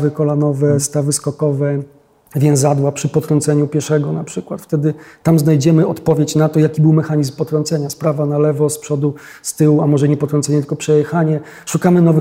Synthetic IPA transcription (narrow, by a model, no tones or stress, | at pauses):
vɘkɔlanɔvɛst̪avɘskɔkɔvɛ | vʲjɛnzad̪wapʂɘpɔt̪ɾɔnt̪sɛɲupʲjɛʂɛɡɔnapʂɘkwat̪ft̪ɛd̪ɘt̪amznajd͡ʑɛmɘɔt̪pɔvʲjet͡ɕnat̪ɔjakʲibɘwmɛxaɲizmpɔt̪ɾɔnt̪sɛɲaspɾavanalɛvɔspʂɔd̪u | st̪ɘwuamɔʐɛɲɛpɔt̪ɾɔ̃nsɛɲɛt̪ɘ̥kɔpʂɛjɛxaɲɛ | ʂukamɘnɔvɘ